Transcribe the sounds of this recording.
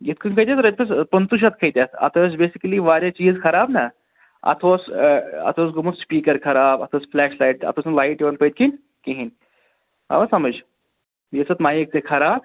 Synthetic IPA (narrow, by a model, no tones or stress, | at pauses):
jet̪̚kʰunkʰəjt̪̬ʲjasɾt̪pʰəspənt̪uʃ̬at̪̚kʰəjt̪ʲasɐ̰t̪ʰos̬besikəliʋaːɾjat͡ɕiːzkʰɐɾaːbna | ɐ̰t̪ʰosɐ̰t̪ʰos̬ɡumut͡sspiːkəɾkʰɐɾaːbɐ̰t̪ʰosflɛʂlaiʈɐ̰t̪ʰoːsnlaiʈjeʋɐnpəjt̪̚kʰin | kẽɦin | a̰ʋasɐməd͡ʑ | jet͡sət̪maːjiek̚t̪ekʰɐɾaːb̚